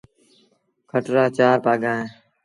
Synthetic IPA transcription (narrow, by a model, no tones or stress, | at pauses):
kʰəʈɾaːt͡ʃaːpaːɡãːɦẽː